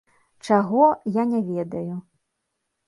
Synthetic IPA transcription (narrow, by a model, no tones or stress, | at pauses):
t͡ʂaɣɔjanʲavʲɛd̪ɐju